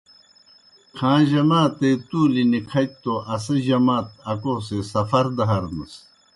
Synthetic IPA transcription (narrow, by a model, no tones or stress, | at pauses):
kʰãːʑɐmãːt̪et̪uːlinikʰɐt͡ɕ̚t̪oʔɐsɐʑɐmaːt̪̚ɐkoːsesɐfɐɾd̪ɐɦɐɾnɐs